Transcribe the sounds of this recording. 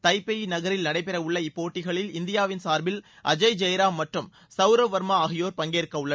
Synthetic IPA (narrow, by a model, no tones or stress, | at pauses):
t̪ɐɪpːɐjnɐɣɐɾɪlnɐɽɐɪpɛɾɐʊɭːɐɪpːoːʈːɪɣɐɭɪlɪnd̪ɪjaːʋɪnsaːɾbɪl | ʔɐ̰d͡ʒɐɪd͡ʒɐjɾaːmːɐʈrɯm | sɐʊɾoʋɐɾmaːɣɪjoːɾpɐŋɡeːɾkːɐɯɭːɐ